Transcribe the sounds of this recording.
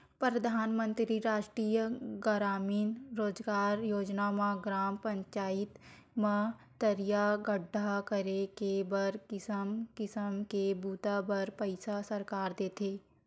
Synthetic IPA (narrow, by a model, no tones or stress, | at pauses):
pɾəd̪ʱaːnmə̃nt̪ɾiɾaːʃʈɾiːjəɡəɾaːmiːnɾoːd͡ʒɡaːɾjoːd͡ʒnamãɡɾaːmpə̃ɲt͡ʃaːɪt̪ | mã | t̪əɾijaɡəɖʱːakəɾekebəɾkɪsəmkɪsəmkebuːt̪abəɾpəɪsasəɾkaːɾd̪eːt̪ʰeː